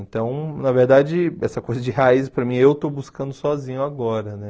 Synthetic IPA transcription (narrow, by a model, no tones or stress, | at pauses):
ẽt̪ɐ̃w̃nɐveɾd̪ad͡ʒɪɛsɐkojzɐd͡ʒɪhaizpɾɐmĩewt̪obuskɐ̃nd̪ʊsɔzĩɲʊaɡɔɾɐnɛ